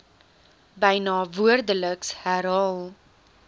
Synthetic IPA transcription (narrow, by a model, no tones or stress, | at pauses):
bəjnɑːvuərdələkshæɾɦɑːlˠ